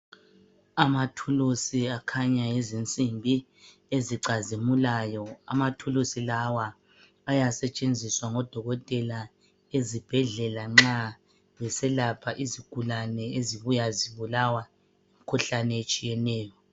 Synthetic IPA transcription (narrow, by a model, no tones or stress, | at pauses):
amatʰulusiakʰaɲajezint͡sʼimbʱi | eziǀazimulajɔa̰matʰulusilawaː | jasɛt͡ʃʼend͡zʱiswaŋɔd̥ʱɔɣɔtʼɛla | ezib̥ʱɛɮɛlaŋ͡ǁa | βɛsɛlapʰaʔiziɡ̥ʱulanɛeziβujaziβulawa | im̩kʰuɬanɛet͡ʃʼijɛnɛːjɔ